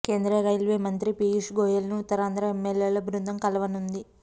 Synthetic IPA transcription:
ke̞ːnd̪ɾɐɾɐjlʋeːmɐnt̪ɾipiːiʂɡoːjɐlnuːt̪ːɐɾaːnd̪ɾɐemːeljeːlɐbɾund̪ɐmkɐlɐʋɐnund̪i

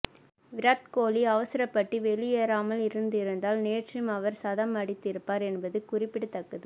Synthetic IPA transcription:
ʋɪɾaːt̪koːliɐʋɐsɪɾɐpːɐʈːiʋɛɭɪjeːɾaːmɐlɪɾɯnd̪ɪɾɯnd̪aːlneːʈrɯmɐʋɐɾsɐðɐmɐɽɪt̪ːɪɾɯpːaːɾɛnbɐðɯkʊrɪpːɪɽɯt̪ːɐkːɐðɯ

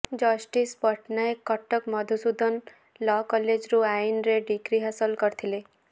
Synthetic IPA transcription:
d͡ʒɔsʈispɔʈʰnaekːɔʈːəkmɔd̪ʱusud̪ʱən | lɔkɔled͡ʒɾuainɾeɖikɾiɦasəlkɔɾt̪ʰile

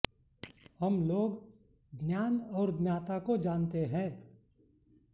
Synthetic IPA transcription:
həmloːɡ | ɡnjaːnɔːɾdnjaːt̪akod͡ʒaːnt̪eɦɛ̃ː

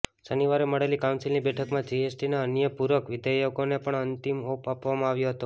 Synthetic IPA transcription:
səniʋaɾeməɽelikaw̃nsilnibɛʈʰəkmãd͡ʒiesʈinaənjəpuɾʋəkʋɪd̪əjoɡonepəɳənt̪imopapʋamãaʋjoɦət̪o

